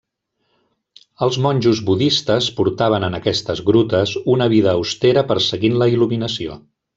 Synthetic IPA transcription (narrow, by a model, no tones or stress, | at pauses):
əlˠzmɔnʲʒuzβuðist̪əspuɾt̪aβ̞ənənəkɛst̪əzɣɾut̪əzunəβ̞iðəːust̪eɾəpəɾsəɣinləiluminəsio̰